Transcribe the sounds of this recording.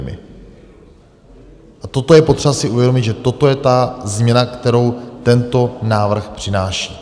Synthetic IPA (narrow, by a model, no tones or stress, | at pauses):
mɪ̰ | ʔat̪o̞t̪o̞jɛpot̪r̥ɛvasɪʔuvjɛdo̞mɪd̪ʒɛt̪o̞t̪o̞jɛt̪azmɲɛnakt̪ɛɾo̞wt̪ɛnt̪o̞naːvr̩xpr̝̥ɪnaːʃiː